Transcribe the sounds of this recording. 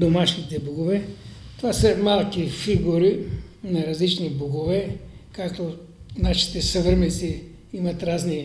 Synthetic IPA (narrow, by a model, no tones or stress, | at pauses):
d̪omaʃnit̪ɛboɡovɛt̪ovasəmalˠkifiɡuɾi | nɐɾɐzlit͡ʃniboɡovɛkakt̪o | naʃi̥t̪ɛsəvəɾmɛsi | imɐt̪ɾazni